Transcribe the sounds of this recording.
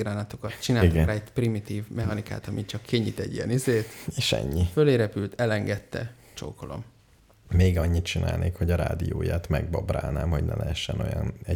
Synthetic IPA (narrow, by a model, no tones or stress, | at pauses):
ɡɾaːnɒt̪o̞kɒt̪t͡ʃinaːitoɡɛɾaːɛt̪primit̪iːvmɛɦɒnika̰ːt̪ɒmit͡ʃɒkʰːeɲːit̪ɛ̰ɟijɛ̰nizeːt̪eːʃɛ̰ɲːiføleːɾɛpylt̪ʰɛlɛŋɡɛt̪ːɛ̰ | t͡ʃo̰ːkolo̞̰m | meːɡɒɲːit̪t͡ʃinaːlneːkho̞ɟɒɾaːd̪ijoːjaːt̪mɛɡ̚bobraːlnaːmho̞ɟnɛ̰lʔɛɦɛʃːɛno̞jɒnɛ